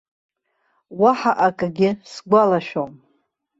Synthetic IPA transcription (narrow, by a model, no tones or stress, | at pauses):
waħaʔakʼɡʲɪsɡʷalaʃᶣom